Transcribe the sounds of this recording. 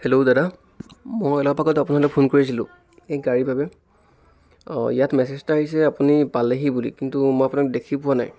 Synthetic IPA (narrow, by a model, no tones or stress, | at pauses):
heloʊdada | mɔjɔlɔpaɡɔtapʊnalɔkpʰonkoɹis̬ilʊ̰̃ | ejɡaɹibʱabɛ | ijatmɛsɛstaɦis̬ɛapunipaleɦibulḭkintumɔjapʊunakdekʰipʊana̰j